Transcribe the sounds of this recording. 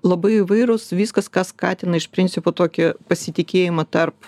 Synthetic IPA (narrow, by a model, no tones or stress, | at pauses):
lˠɐbɐɪɪʋɐɪɾʊsʋʲiːskɐskɑːskɑːt̪ʲɪnɐɪʃpʲɾʲɪnʲt̪sʲɪpoːt̪oːkʲɪpɐsʲɪt̪ʲɪkʲeːjɪmɐt̪ɐrp